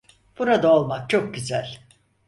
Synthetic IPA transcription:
b̥uɾad̪aolˠmak̚t͡ʃʰo̞k̚ɟyzælʲ

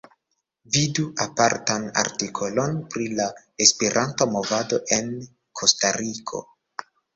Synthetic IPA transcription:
viduʔapaɾtana̰ɾtikʰolo̞npɾila | espeɾʔantomo̞vado̞ʔe̞n | kʰo̞staɾʔikʰo̞̰

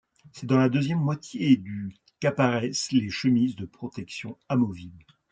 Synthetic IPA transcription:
sɛd̪ɑ̃lad̪øzjɛmːwat̪jed̪y | kapaʁɛsleʃəmizd̪əpχɔt̪ɛksjɔ̃amɔvibl

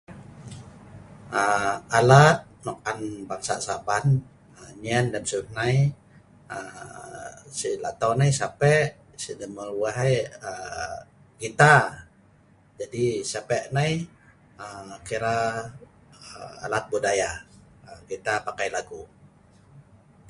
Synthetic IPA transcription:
əalat̪̚nɔk̚anbaŋsa̰saban | əɲiɛndɛmsuhnaj | ə | sila̰t̪awnajsapɛʔ | sidɛməluaɦajə | ɡit̪a | d͡ʒadisapɛʔnaj | əkiɾa | əa̰lat̪̚budaja | əɡit̪apakajlaɡu

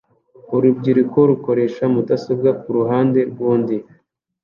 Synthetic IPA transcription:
uɾubɟiɾiko̞ɾuko̞ɾe̞ːʃamutasobɡak̚uɾuɦaːnde̞ɾɡuːndi

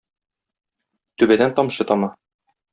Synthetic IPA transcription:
t̪ʉbæd̪ænt̪ɒmɕɤt̪ɒmɑ

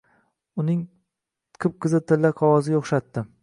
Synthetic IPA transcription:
ʊnɪŋ | qʰɨp̚qʰɨzɪt̪ʰɪlːaqʰɒwɒzɪɡʲaoχʃat̪ːɪ

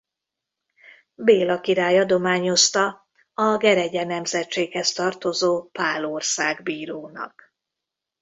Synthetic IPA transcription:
beːlɒkiɾaːjɒd̪o̞maːɲo̞st̪ɒ | ɒɡɛɾɛɟɛnɛmzɛtt͡ʃeːkhɛst̪ɒrt̪o̞zoːpaːlorsaːɡbiːɾoːnɒ̰k

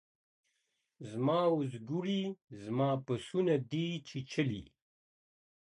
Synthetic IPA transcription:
zmaːuzɡuɾizmaːpəsunad̪iːt͡ʃʰit͡ʃʰəlḭ

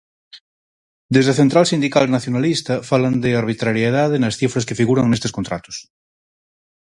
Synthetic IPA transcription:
d̪ezðeθent̪ɾalsind̪ikalnaθjonalist̪afaland̪eaɾβ̞it̪ɾaɾjeðaðenasθifɾaskefiɣuɾaŋnest̪eskont̪ɾa̰t̪o̥s

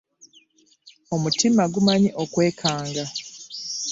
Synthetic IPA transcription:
o̞mutimaɡumaɲiʔokwe̞ːkʰaːŋɡa

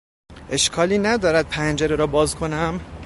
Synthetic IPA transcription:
ʔe̞ʃkʰɒːliːnæd̪ɒːɾæd̪̚pʰænd͡ʒeɾeɾɒːbɒːzkʰo̞næm

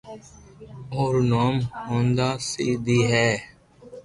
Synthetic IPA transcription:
oːɾnoːmɦõːnd̪aːsḭːd̪iːɦɛː

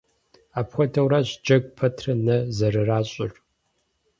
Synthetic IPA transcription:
aːpxʷɔdʰɐwɾaːɕd͡ʒɐɡʷʼpʰɐtʰrɐnɐzɐɾɨraːɕʼɪ̰r

